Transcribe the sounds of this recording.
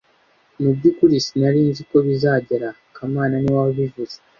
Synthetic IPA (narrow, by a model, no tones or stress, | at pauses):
mubɟikuɾisinaɾiːnziko̞βizaːɟeɾa | kamaːnaniwaoβivuze